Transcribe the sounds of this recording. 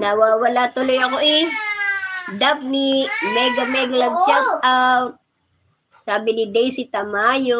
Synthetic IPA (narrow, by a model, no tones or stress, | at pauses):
nawaːwɐlat̪ʊlojɐkoʔɪ | d̪ap̚nimɛɡɐmɛɡlɐɡ̚ʃaka | saːbɪnɪd̪ɛjsɪt̪ɐmaːjo